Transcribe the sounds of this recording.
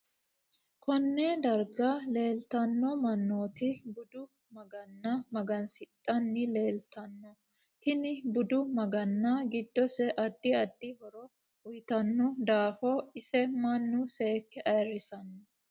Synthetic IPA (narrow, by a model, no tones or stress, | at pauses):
kʰɔnːeːd̪ɐɾɡɐle̞ːlt̪ɐnːɔmɐnːo̞ːt̪ɪbʊd̪ʊ | mɐɡɐnːɐmɐɡɐnsɪt̪ʼːɐnːɪle̞ːlt̪ɐnːɔ | hɪnɪbʊd̪ʊmɐɡɐnːɐɡɪd̪ːɔsɛʔɐd̪ːɪɐd̪ːɪbɔɾɔ | ʊjt̪ɐnːɔd̪aːfɔɪsɛmɐnːʊseːkːɛʔɐjrːɪsɐnːɔ